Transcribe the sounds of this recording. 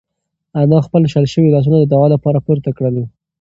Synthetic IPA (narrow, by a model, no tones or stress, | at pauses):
anɑxpəlʃalʃəwilɑs̬unad̪əd̪awɑlapɑɾapoɾt̪akɽəli